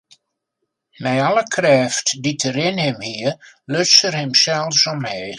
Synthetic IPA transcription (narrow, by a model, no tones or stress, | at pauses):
mɛjɑləkʰrɛːftditʰəɾɪnhɪmhiə | løsərhɛmsɛlˠfsɔmhɛː